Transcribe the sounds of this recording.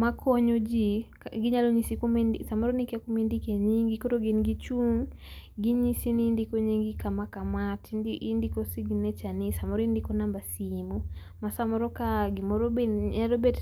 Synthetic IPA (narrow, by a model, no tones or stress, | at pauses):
makʰɔɲod͡ʒikɡɪɲaloɲisikumsamɔɾɔnɪkɛkumendikeɲiŋɡikotoɡinɡit͡ʃuŋɡiɲisinindikoɲiŋɡikamakamatːndikosiɡinɛt͡ʃanisamɔɾɔindikonambasimu | masamɔɾɔkaɡɪmɔɾobealobet